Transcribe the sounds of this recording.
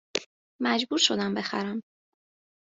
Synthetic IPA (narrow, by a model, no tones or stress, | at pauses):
mæd͡ʒbuːɾʃo̞d̪æmbe̞xæ̰ɾæm